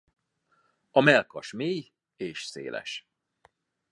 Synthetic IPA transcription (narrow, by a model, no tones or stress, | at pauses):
ɒmɛlkɒʃmeːj | eːʃsḛːlɛ̰ʃ